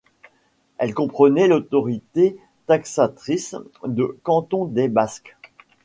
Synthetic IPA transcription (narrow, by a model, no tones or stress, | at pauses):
ɛlkɔ̃pχənɛlot̪ɔʁit̪e | t̪aksat̪χisd̪əkɑ̃t̪ɔ̃d̪ebask